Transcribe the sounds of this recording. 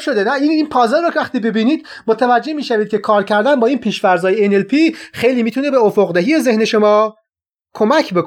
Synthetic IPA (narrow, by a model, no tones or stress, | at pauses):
ʃod̪enæiniːnpʰɒːzeɾɾocʰvæχt̪iːbe̞biːniːd̪̥ | mot̪ʰævæd͡ʒːe̞miːʃæviːd̪̚cʰʲe̞kʰɒːɾcʰæɾd̪ænbɒːiːnpʰiːʃfæɾzɒːjeenelpʰiːχxejliːmiːt̪ʰune̞be̞ofoɣd̪æɦijeze̞hne̞ʃo̞mɒː | kʰo̞mæcʰbe̞k